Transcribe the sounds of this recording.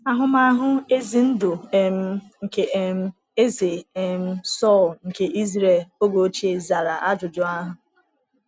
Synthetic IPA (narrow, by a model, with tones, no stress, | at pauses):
a˨ɦʊ˦ma˦ɦʊ˦e˦zi˨n̩˦dʊ˨m̩˦ | ŋ̩˨ke˨˦m̩˦ | e˦ze˨e˨m̩˦sɔ˦˨lŋ̩˨ke˨ʔi˦zɾe˦˨lo˦ɡo˨˦t͡ʃi˦e˨za˨ɾa˨ʔa˦d͡ʒʊ˨d͡ʒʊ˦a˦ɦʊ˦